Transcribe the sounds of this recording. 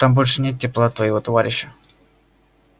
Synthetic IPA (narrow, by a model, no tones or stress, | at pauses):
t̪ambolʲʂɨnʲet̪̚tʲːɪplˠat̪vəjɪvot̪ɐvaɾʲɪɕːə